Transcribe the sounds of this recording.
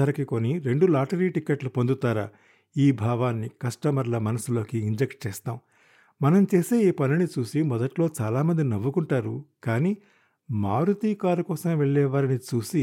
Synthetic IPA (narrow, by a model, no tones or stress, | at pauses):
ɐɾɐkiko̞niɾe̞ɳɖulaːʈɐɾiːʈikeʈlupo̞nd̪ut̪aːɾa̰ː | iːbʱaːʋaːnːikɐʂʈɐmɐɾlɐmɐnɐsulo̞ːkiːɲd͡ʒek̚ʈ̚t͡ʃɛːst̪aːm | mɐnɐmt͡ʃeːse̞ːiːpɐninit͡ʃuːsimɔd̪ɐʈlo̞ːt͡ʃaːlaːmɐnd̪inɐʋːukuɳʈaːɾukaːniː | maːɾut̪iːkaːɾukɔːsɐmʋeɭːɛːʋaːɾinit͡ʃuːsi